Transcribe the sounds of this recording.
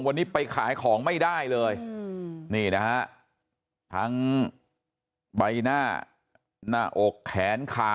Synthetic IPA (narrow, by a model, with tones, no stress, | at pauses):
ŋwa˧nːiː˦˥pa˧jkʰaː˩˦jkʰɔː˩˦ŋma˥˩jdaː˥˩jlɤː˧j | niː˥˩na˦˥ha˦˥ʔ | t̪ʰa˦˥ŋ | ba˧jnaː˥˩ | naː˥˩ʔo˨˩kʰːɛː˩˦nkʰaː˨˩